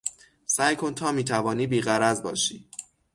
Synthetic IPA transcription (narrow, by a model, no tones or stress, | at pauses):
sæːjkʰo̞nt̪ʰɒːmiːt̪ʰævɒːniːbiːɣæɾæzbɒ̰ːʃiː